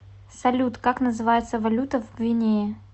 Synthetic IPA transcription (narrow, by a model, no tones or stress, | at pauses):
sɐlʲut̪kaknəzɨvajɪt̪səvɐlʲut̪əvvʲɪnʲe